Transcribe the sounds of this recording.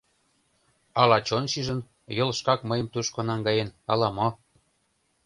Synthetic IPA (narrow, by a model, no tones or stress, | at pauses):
ɑlɑt͡ɕonʃiʒə̆n | jɤ̆lʃkɑkməjə̆mt̪uʃkonɑŋɡɑjenɑlɑmo